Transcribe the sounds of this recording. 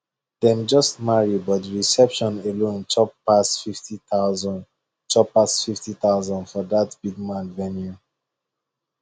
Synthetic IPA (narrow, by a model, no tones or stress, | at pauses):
dɛ̃md͡ʒɔstmaɹibɔtdɹisɛpʃɔ̃nelõnt͡ʃɔpasfiftitazɔ̃n | t͡ʃɔpasfiftit̪aʊzɔ̃ndfɔdatb̥iɡ̚mãnvɛ̃nju